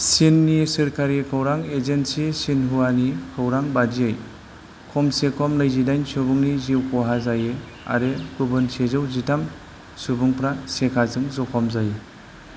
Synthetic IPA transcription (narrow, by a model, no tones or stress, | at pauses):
sinːisɯɾkʰaɾikʰawɾaŋezensisinɦuwanikʰɯwɾaŋbadiej | kʰɔmsekʰɔmnɯjzidajnsubɯŋniziwkɔɦazaje | a̰ɾekubɯnsezɯwzitam | subɯŋpɾasekʰazɯŋzɔkʰɔmzaje